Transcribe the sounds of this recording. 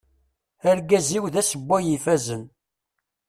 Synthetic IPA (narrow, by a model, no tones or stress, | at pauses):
æɾɡæziwðæsəbːæjifæzən